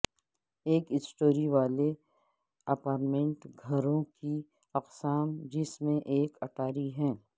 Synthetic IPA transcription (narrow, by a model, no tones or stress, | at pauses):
eːkɪsʈoːɾiʋaːle | ɐpaːɾʈmẽɳʈɡʱɐɾõki | ɐqsaːmd͡ʒɪsmẽʔeːkɐʈaːɾiɦɛ̃ː